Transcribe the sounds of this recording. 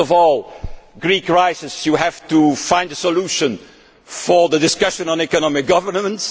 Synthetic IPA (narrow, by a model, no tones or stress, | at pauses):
ɔvɔlˠɡɹikɹaɪsɪsjuɦævtufãɪ̃ndəsəluʃɨ̃n | fə˞ðədɪskʌʃə̃nə̃nɛkənɑmɪk̚ɡ̥ʌvə˞mə̃nts